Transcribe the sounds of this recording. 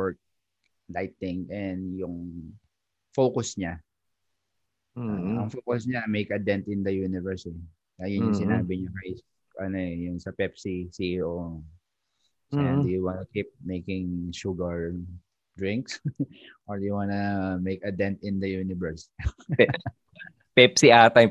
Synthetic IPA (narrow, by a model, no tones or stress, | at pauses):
wɛɹk̚ | lajt̪ɪ̃ŋʔɛnd̪jʊŋ | foːkʊsɲa | ɐŋfoːkʊsɲamejkɐd̪ɛ̃nt̪ɪ̃nd̪ɐjuːnɪvɛɹsɛ | ɐjʊnjʊŋsɪnaːbɪɲɐkɐs | ʔɐnoɛjʊŋsɐpɛpsisiʔo | sɪad̪ʊjʊwanɐkip̚mejkɪŋʃuɡɐɹ | d̪ɹɪ̃ŋksʔoɹjʊwanɐmejkɐd̪ɛnt̪ɪ̃nd̪ɐjuːnɪvɛɹs | pɛpsiaːt̪ɐj